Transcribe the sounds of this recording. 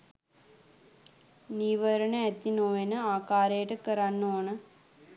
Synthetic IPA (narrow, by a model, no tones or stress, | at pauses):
niːʋɐɾɐɳeet̪ːinoːjenɨaːkaːɾɐjɐʈːɨkɐɾanːoɳɨ